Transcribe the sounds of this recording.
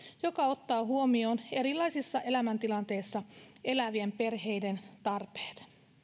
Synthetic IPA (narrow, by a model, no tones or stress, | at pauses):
jo̞kɑo̞t̪ːɑːɦuo̞mio̞ːne̞ɾilːɑjsisːɑʔe̞læmænt̪ilɑnt̪e̞jsːɑe̞læʋiempe̞rɦe̞jde̞nt̪ɑrpe̥ːt̪